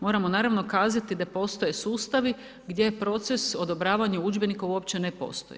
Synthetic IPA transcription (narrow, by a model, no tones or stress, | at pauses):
mo̞ːɾamo̞naːɾaʋno̞kaːzat̪id̪apo̞st̪o̞jesuːst̪aʋi | ɡd̪je̞pɾo̞t̪se̞so̞d̪o̞bɾaːʋaɲaud͡ʒbe̞nikauopt͡ɕe̞nepo̞̰st̪oje